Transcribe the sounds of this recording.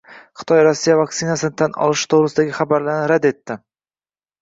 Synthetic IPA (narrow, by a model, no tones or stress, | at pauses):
χɨ̥t̪ʰɒjɾɒsːijavakt̪sɪnasɪnɪt̪ʰanʔɒ̰lˠɪʃt̪ʰowɾɪsɪd̪aɡʲɪχabaɾlaɾnɪɾad̪e̞t̪ʰːɪ